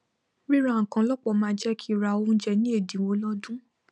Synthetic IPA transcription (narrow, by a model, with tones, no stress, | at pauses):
ɾi˦ɾa˦˨ŋ̩˨kã˨˧˦lɔ˦k͡pɔ˨˧˨mãː˧˦d͡ʒɛ˦kʰi˦i˦˨ɾa˧˨o˧˦d͡ʒɛ˧nĩ˦e˦˨dĩ˨˦wo˧˦lɔ˦dũ˦